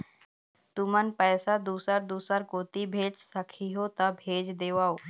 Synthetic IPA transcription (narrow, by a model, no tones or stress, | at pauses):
t̪ʊmənpɛːsad̪uːsəɾd̪uːsəɾkoːt̪ibʱeːd͡ʒsɐkʰiɦot̪abʱeːd͡ʒd̪eːʋaːoː